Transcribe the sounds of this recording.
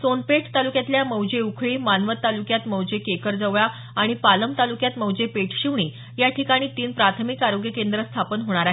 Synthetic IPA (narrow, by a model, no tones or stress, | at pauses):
sonpeʈʰt̪alukjat̪ljaməwd͡ʑeukʰɭiːmanʋət̪ːalukjat̪məwd͡ʑekekəɾd͡zəʋja | aɽ̃ipaləmt̪alukjat̪məwd͡ʑepeʈʰɕiʋɳiː | jaʈʰikaɽ̃iːt̪iːnpɾat̪ʰmikaɾoɡjəkend̪ɾəst̪ʰapənɦoɽ̃aɾaɦ